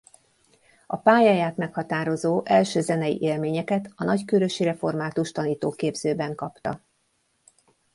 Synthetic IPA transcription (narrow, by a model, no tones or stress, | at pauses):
ɒpaːjaːjaːt̪mɛkhɒt̪aːɾo̞zoːʔɛlʃøːzɛnɛjḭʔeːlmeːɲɛkɛt̪ɒnɒckøɾø̞ʃiɾɛfo̞rmaːt̪uʃt̪ɒniːt̪oːkeːbz̥øːbɛŋkɒpt̪ɒ̰